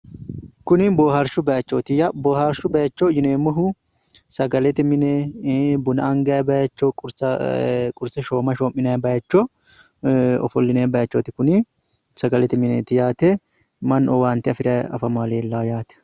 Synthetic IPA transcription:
kʊnɪboːhɐɾʃʊbɐjɐt͡ʃːot̪ɪjaboːhɐɾʃʊbɐjɐt͡ʃːod͡ʒɪneːmːɔɦʊ | sɐɡɐlɛt̪ɪmɪnɛbʊnɐɐŋɡɐjbɐjɐt͡ʃːɔkʼʊɾsɐkʼʊɾsɛʃoːmɐʃoːmːɪnɐjbɐjɐt͡ʃːɔ | ɔ̰fɔlːɪneːbɐjɐt͡ʃːoːt̪ɪkʊnɪ | sɐɡɐlɛt̪ɪmɪnɛt̪ɪjaːt̪ɛ | mɐnɔwaːnt̪ɪɐfɪɾɐɐ̰fɐmaːleːlːaːjaːt̪ɛ̥

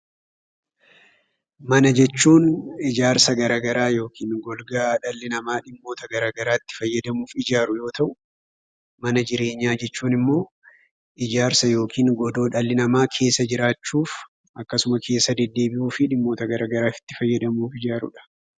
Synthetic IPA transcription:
mɐnɐd͡ʒɛt͡ʃːuːnɪd͡ʒaːɾsɐɡɐɾaːɡɐɾaːjo̞ːkʰiːnɡɔlɡaːᶑɐlːɪnɐmaːᶑɪmːo̞ːt̪ɐɡɐɾaːɡɐɾaːɪt̪ːɪ̥fɐjːɐd̪ɐmuːfɪd͡ʒaːɾʊjo̞ːt̪ɐʔʊ | mɐnɐd͡ʒɪɾe̞ːɲːaːd͡ʒɛt͡ʃːuːnɪmːo̞ː | ʔɪd͡ʒaːɾsɐjo̞ːkʰiːŋɡɔd̪o̞ːᶑɐlːɪnɐmaːkʰe̞ːsːɐd͡ʒɪɾaːt͡ʃːuːf | ʔɐkːɐsʊmɐkʰe̞ːsːɐd̪ɛd̪ːe̞ːbɪʔuːfɪᶑɪmːo̞ːt̪ɐɡɐɾaːɡɐɾaːfɪ̥t̪ːɪfɐjːɐd̪ɐmuːfɪd͡ʒaːɾʊ̰ᶑɐ̥

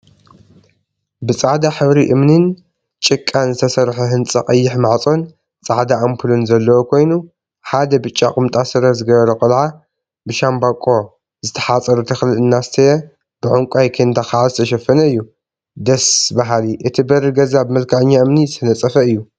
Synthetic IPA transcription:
bɨt͡sʼaʕd̪aħɨβɾiʔɨmnɨn | t͡ʃʼɨkʼːanzɨt̪ʰɐsɐɾħuɦɨnt͡sʼɐqʼɐjːɪħmaʕt͡sʼo̞n | t͡sʼaʕd̪aʔampʰɨlunzɐlːɐwokʰo̞jnu | ħad̪ɐbɨt͡ʃʼːakʼɨmt̪ʼasɨɾɐzɨɡɐβɐɾɐkʼɨlʕa | bɨʃambakʼːo̞ | zɨt̪ʰɐ̥ħat͡sʼɐɾut̪ʰɐxlɨlɨnːast̪ʰɐjɛ | b̥ɨʕʊŋkʷʼajkʰend̪axaʕazɨt̪ʰɐʃɐfːɐnɐɨjːu | d̪ɐsbaɦaliʔɨt̪ʰibɐɾɨɡɐzabɨmɐlkʰɐʕɨɲːaʔɨmnizɨt̪ʰɐnɐt͡sʼːɐfɐɨjːu

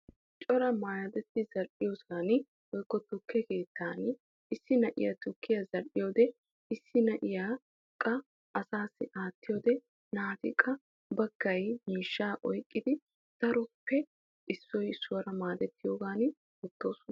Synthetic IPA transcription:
t͡ʃʼɔɾɐmaːjɐd̪ɛt̪ːɪzɐɾʔɪjoːsan | ʔɔjkːɔt̪ʊkʰːɛke̞ːt̪ʰːaːn | ɪsːɪnɐʔɪ̰jɐt̪ʊkːɪjɐzɐɾʔɪjoːd̪ɛ | ɪsːɪnɐʔɪjaː | kʼːɐ | ʔɐsaːsːɪʔaːt̪ːɪjoːd̪ɛ | naːt̪ɪ̰kʼːɐ | bɐɡːɐjmiːʃːaːʔɔjkʼːɪd̪ɪ | d̪̥ɐɾɔpːɛ | ɪsːɔjsːʊwɐɾɐmaːd̪ɛt̪ːɪjoːɡaːn | ɛt̪ːoːsʊn

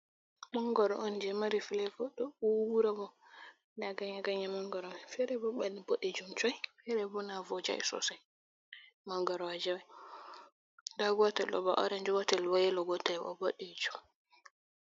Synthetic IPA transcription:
mɔŋɡɔɾɔʔɔnd͡ʒɛmaɾifilɛfɔɗɔuwuɾabɔ | daɡaɲaɡaɲamɔŋɡɔɾɔfɛɾɛbɔɓaniboɗɛd͡ʒumt͡ʃɔjfɛɾɛbɔnavɔd͡ʒa̰jsɔ̰saj | maŋɡɔɾɔwad͡ʒɛwaj | daɡɔtɛlɗɔ̰bɔ̰ʔɔ̰ɾɛnd͡ʒɔɡɔtɛlwajɛlɔɡɔtajɔ̰boɗɛd͡ʒum

